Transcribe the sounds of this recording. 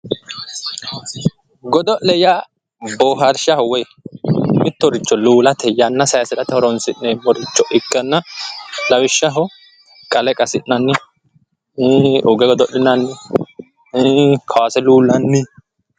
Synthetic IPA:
ɡɔd̪ɔʔlɛja | boːɦɐɾʃɐhɔwɛj | mɪt̪ːɔɾɪt͡ʃːɔluːlɐt̪ʰɛjːanːɐsɐjsɛɾɐt̪ɛhɔɾɔnsɪnnɛmɔɾɪt͡ʃːɔʔɪkːɐnːɐlɐwɪʃːɐɦɔ | kʼɐlɛkʼɐsɪnnɐnːɪ | ʊɡɛɡɔd̪ɔʔlɪnɐnːɪ | kʰɐwasɛluːlːɐnːɪ

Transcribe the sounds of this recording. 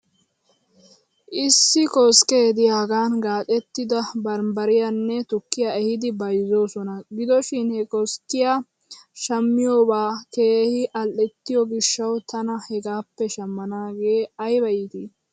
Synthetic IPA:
ʔɪsːɪkɔskʼe̞ːd̪ɪjaːɡaːnɡaːt̪ʼɛt̪ːɪd̪ɐbɐɾmbɐɾɪjanːɛt̪ʊkːɪjaɛhɪd̪ɪbɐjzo̞ːsɔnɐɡɪd̪ɔʃɪnhɛkɔskːɪja | ʃɐmːɪjoːbaːke̞ːhɪʔɐlʔɛt̪ːɪjɔɡɪʃːɐwt̪ʰɐnɐhɛɡaːpːɛʃɐmːɐnaːɡe̞ːɐjbɐjɪt̪i

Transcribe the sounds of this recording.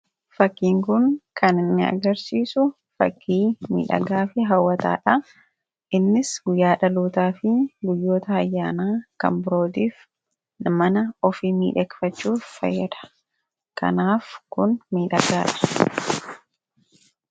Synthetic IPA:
fɐkːiːŋkʊnkɐnɪnːɪɐ̰ɡɐɾsiːsʊ | fɐ̰kʰːiːmḭːᶑɐ̰ɡaːfɪɦɐwːɐt̪a̰ːᶑɐ | ʔɪnːɪsɡʊjːaːᶑɐluːt̪aːfɪɡʊjːo̞ːt̪ɐːjːaːnaːkɐ̰mbʊɾo̞ːt̪iːf | mɐnɐɔfɪmḭːᶑɛkfɐt͡ʃːuːffɐ̰jːɐd̪ɐ̥ | kɐ̰naːfkʊnmiːᶑɐ̰ɡaːᶑɐ̥

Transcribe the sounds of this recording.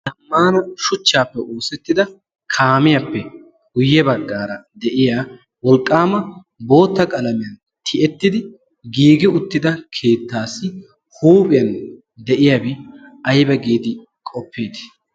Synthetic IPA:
d̪ɐmːaːnɐʃʊt͡ʃːaːpːɛʔoːsɛt̪ːɪd̪ɐ | kʰaːmɪjɐpːɛ | hʊjːɛbɐɡːaːɾɐd̪ɛʔɪjaː | wɔlkʼːaːmɐ | bo̞ːt̪ːɐkʼɐlɐmɪjɐn | t̪ʰɪʔɛt̪ːɪd̪ɪ | ɡiːɡɪʊt̪ːɪd̪ɐkʰe̞ːt̪ːaːsːɪ | huːpʼɪjɐn | d̪ɛʔɪjabɪɐjbɛɡiːd̪ɪ | kʼɔpːeːd̪ɪ̥

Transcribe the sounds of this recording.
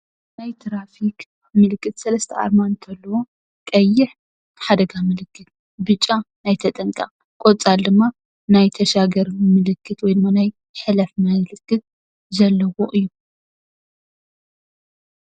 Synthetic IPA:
najt̪ʰɾafik | mɨlɨkʼːɨt̪sɐlɐst̪ʰɐa̰ɾmant̪ʰɐlːɐwo̞ | kʼɐjːɪħ | ħad̪ɐɡamɨlɨkːɨt̪̚ | bɨt͡ʃʼːanajt̪ʰɐt̪ʼɐŋkʼa̰ | kʼot͡sʼald̪ɨmːa | najt̪ʰɐʃaɡɐɾmɨlɨkːɨt̪wɔjd̪ɨmːanaj | ħɨlɐfmɨlɨkʰːɨt̪̚ | zɐlːɐwoʔɨjːu

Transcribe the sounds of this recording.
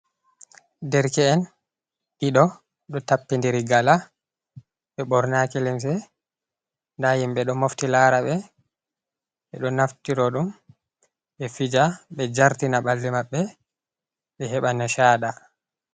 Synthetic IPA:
dɛɾkɛːn | ʔiɗɔ | ɗɔtapːindiɾiɡala | ɓɛɓɔɾnakilims̬ɛ | ndahimɓɛɗɔmoftilaɾaɓɛ | ɓɛɗɔnaftiɾɔɗum | ɓɛfid͡ʒaɓɛd͡ʒaɾtinaɓalːimaɓːɛ | ɓɛɦɛɓanaʃaːɗa

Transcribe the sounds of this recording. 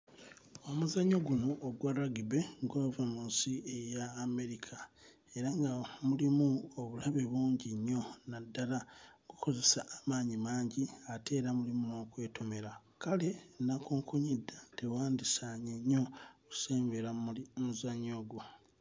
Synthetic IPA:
o̞muzaɲo̞ɡunooɡwaɾaɡibe̞ɡovemuːsiejaːme̞ɾikʰa | eɾaŋɡamulimuoβulaβe̞βuːɲɟiɲːo̞nadːalaŋɡuko̞ze̞saːmaːɲimaːɲɟiate̞ːɾamulimunokwe̞ːtʰo̞me̞ɾa | kale̞nakuːŋkʰuɲidːatewaːndisaɲeɲːo̞ku̥seːmbeɾaimuzaɲo̞ɡu

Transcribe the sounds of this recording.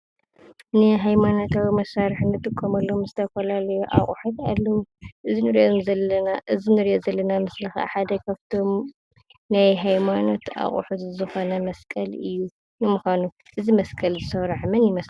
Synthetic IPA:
nɨɦajmano̞t̪ʰawimɐsaɾħnɨt̪ʼɨkʼːɐmɐlːomzɨt̪ʰɐfɐlalɐjuʔa̰χʼuħut̪alːɐwuʔɨzinɨɾiʔomzɐlːɐnaʔɨzinɨɾiʔozɐlːɐnamɨslɨxa̰ħad̪ɐkʰaβt̪ʰo̞m | najɦajmano̞t̪a̰χʼṵħut̪zɨxo̞nɐmɐskʼɐlɨjːu | nɨmuxʷanu | ʔɨzimɐskʼɐlzɨsɐβɾaħmɐnjɪmɐs

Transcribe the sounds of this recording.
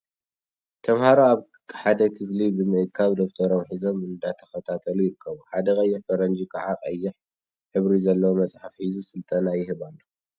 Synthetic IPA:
t̪ʰɐmhaɾoaβ | ħad̪ɐkʰɨflibɨmɨʔɨkʰːaβd̪oft̪ʰɐɾomħizo̞mɨnd̪at̪ʰɐxɐt̪ʰat̪ʰɐlujɪɾɨkʰːɐβuħad̪ɐkʼɐjːɪħkʰʼɐɾɐnd͡ʒikʰaʕaqʼɐjːɪħ | ħɨβɾizɐlːɐwomɐt͡sʼħafħizusɨlt̪ʼɐnajɪhɨβalːo

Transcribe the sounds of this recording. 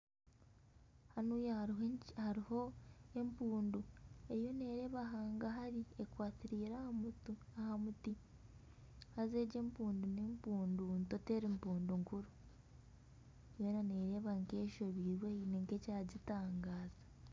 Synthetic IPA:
hanuːj | haɾiho̞empuːndue̞jo̞ne̞ːɾe̞ːβaɦaːŋɡaɦaɾiekwaːtiɾiːɾahamutuahamuti | haze̞ːɟe̞mpuːndunempuːndunto̞teːɾimpuːnduŋkuɾu | ejonaneːɾe̞ːβaŋke̞ːʃo̞βiɾweneŋkecaɟitaːŋɡaːz̥ḁ

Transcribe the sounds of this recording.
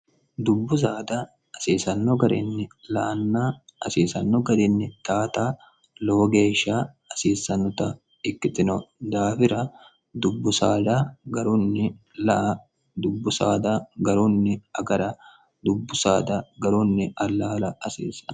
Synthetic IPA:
d̪ʊbːʊs̬aːd̪a | ɐsiːsɐnːɔɡɐɾɪ̰nːɪlɐʔɐnːaːɐsiːsɐ̰nːɔɡɐɾɪnːɪt̪aːt̪aː | loːɡeːʃːaː | ɐsiːsːɐnːɔt̪ɐ | ɪkːɪt̪ɪnɔd̪aːfɪɾɐ | d̪ʊbːʊsaːd̪aɡɐɾʊnːɪlɐʔɐ | d̪ʊbːʊsa̰ːd̪aːɡɐɾʊnːɪɐɡɐɾɐ | d̪ʊbːʊsaːd̪aɡɐɾunːɪɐlːaːlɐɐsḭːsɐ̥n

